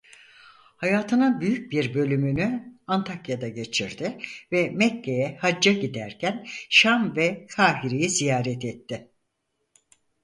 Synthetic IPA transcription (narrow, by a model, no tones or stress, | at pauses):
hajaːt̪ʰɯnabyjyc̚biɾbø̞lʲymynyant̪ʰakjad̪aɟe̞t͡ʃʰiɾd̪ɪvɛmɛcːejɛhad͡ʒːaɟid̪æɾcʰænʃamvɛkʰaːɦiɾijizijaːɾɛt̪ɛt̪ʰːɪ